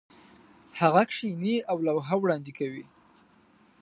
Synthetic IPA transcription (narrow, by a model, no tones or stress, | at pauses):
haɣakʂiniawlawɦawɽɑnd̪ɪkawi